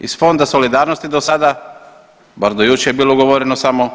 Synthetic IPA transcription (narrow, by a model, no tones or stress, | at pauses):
isfo̞nd̪aso̞lid̪aːɾnost̪id̪osad̪a | baɾd̪ojut͡ʃejebiːloɡoʋoɾenosamo